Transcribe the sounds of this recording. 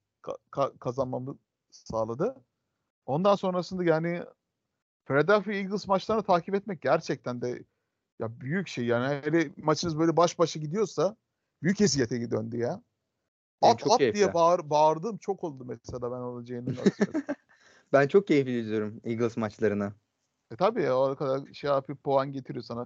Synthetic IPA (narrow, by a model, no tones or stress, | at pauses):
kʰa̰kʰakʰazanmamɯ | saːlˠad̪ɯ | o̞nd̪anso̞nɾasɯnd̪ajaːnɪ | fɾed̪afiiɡɯlˠsmat͡ʃlˠaɾɯnɯt̪ʰaːcʰipɛt̪̚mɛc̚ɟæɾt͡ʃʰɛc̚t̪ʰænd̪ɛ | jabyjycʃejjaːniɦelɛmat͡ʃʰɯnɯzbø̞jlʲɛbaʃbaʃaɟid̪ijo̞sa | b̥yjyces̬ijet̪ʰɛɟid̪ønd̪ijɛ | apt͡ʃʰad̪ijɛbaɾbaɾd̪ɯːmt͡ʃʰo̞ko̞lˠd̪umɛselʲaːbænolˠad͡ʒajɯnɯmna̰ | bænt͡ʃʰo̞k̚cʰejifbilʲid̪ijoɾumiɡɯlˠzmat͡ʃlˠaɾɯna | ɛt̪ʰabiːoɾakad̪aɾʃeaːfifpoanɟe̞t̪ʰiɾijo̞sana